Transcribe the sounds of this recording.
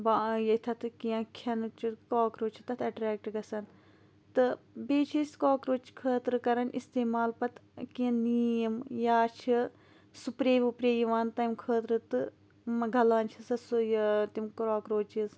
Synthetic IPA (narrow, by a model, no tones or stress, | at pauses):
baːjɐt̪ʰɐt̪ɨkijɐ̃kʰɐnɨt͡ʃʰikaːkɾoːt͡ʃʰi̥t̪ɐt̪ʰɐʈɾeːk̚ʈɡɐsɐn | t̪ɨbeːt͡ʃʰisʲkoːkɾoːt͡ʃʰi̥kʰəːt̪ɾɨkɐɾɐnʔist̪eːmaːlpɐt̪ʰkiɐ̃nijɐmjaːt͡ʃʰi | supɾeːmupɾeːjiʋaːnt̪ɐjmkʰəːt̪ɾɨt̪ɨ | mɐɡʱɐlaːnt͡ʃʰisɐsujt̪imkɾoːkɾoːt͡ʃiz